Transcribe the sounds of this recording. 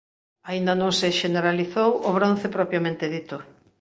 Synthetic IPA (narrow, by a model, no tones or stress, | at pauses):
aind̪anõŋsɪʃeneɾaliθowoβɾõn̟θepɾɔpjamẽnt̪eðit̪ʊ